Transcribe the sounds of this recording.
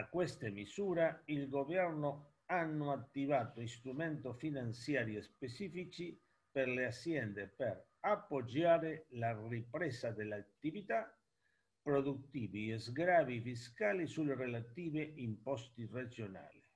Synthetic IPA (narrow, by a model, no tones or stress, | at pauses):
akwest̪emisuːɾailɡovɛrno | anːoat̪ːivaːt̪oist̪ɾument̪ofinant̪sjaːɾjespet͡ʃiːfit͡ʃi | perleasjɛnd̪epeɾ | apːod͡ʒaːɾelaripɾɛsad̪elːat̪ːivit̪a | pɾod̪ut̪ːiːviezɡɾaːvifiskaːlisulerelat̪iːveimpɔst̪ired͡ʒona̰ːli